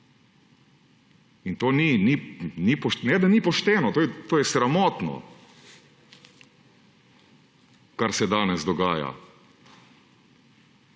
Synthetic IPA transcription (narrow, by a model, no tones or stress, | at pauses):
int̪oːnininipɔʃnɛd̪anipɔʃt̪ɛːnɔt̪oːjɛt̪oːjɛsɾamɔːt̪nɔ̰ | kaɾsɛd̪aːnɛzd̪ɔɡaːja̰